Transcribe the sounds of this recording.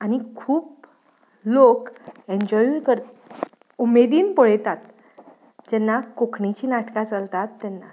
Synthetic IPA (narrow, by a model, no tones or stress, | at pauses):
aɽ̃ikʰuːp | lokẽɲd͡ʑɔjukəɾ | umed̪iːnpəɭet̪at̪ | d͡ʑɛnːakokʰɳit͡ɕiːnaʈkat͡səlt̪at̪ːɛnːa